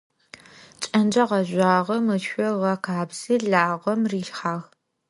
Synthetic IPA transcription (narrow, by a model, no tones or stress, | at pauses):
t͡ʃʼɐnd͡ʒɐʁɐʒʷaːʁɐmɨɔʁɐkʰaːbz̥iːɮaːʁʷɐmriːɬħaːʁ